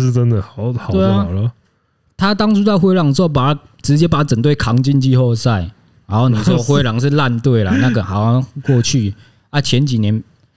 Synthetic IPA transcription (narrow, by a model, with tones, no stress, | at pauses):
ʈ͡ʂə˦nd̪ə˨hhɑ˨˦t̪wɪa˨˩ʊlə˦ | t̪ʰa˦t̪ɑ˥ŋt͡su˥t̪ɑ˥˧ʊxwe˥ɪlɑ˨˩ŋ̩˩˧˥o˥˩p̬a˨˩a˥ | ʈ͡ʂɻ̩˧˦t͡ɕjɛ˦pa˨˩a˥t͡sə˨˩ŋt̪we˥˩ɪkʰɑ˨˦ŋt͡ɕi˥˧nt͡ɕi˥˧xɔ˥˧ʊsa˥˩ɪ | ɻa˧˦nxo˥˩ʊni˨˩˥ɔ˥˧xwe˥˦ɪlɑ˨˦ŋʂ̬ɻ̩˥˧la˥˨nt̪we˥˩ɪla̰˨na˥˩ɡə˨xa˨˩˦kwɔ˥˧t͡ɕʰy˥˩ | a˥˩t͡ɕʰjɛ˨˧˦nt͡ɕi˨˩njɛ˨˦n